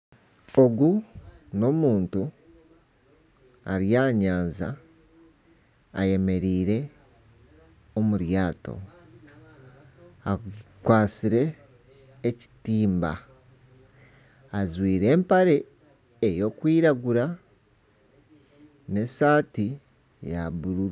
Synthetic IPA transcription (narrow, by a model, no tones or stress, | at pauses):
o̞ɡuno̞muːntu | a̰ɾjaːɲaːnza̰ | je̞me̞ɾiːɾe̞ | omuɾjaːto̞̰ | akwaːsiɾe̞ː | ci̥tiːmba̰ | zwiːɾe̞ːmpaɾe̞ː | jo̞ːkwiːɾaɡuɾa | ne̞saːti | ja̰βuɾuɾ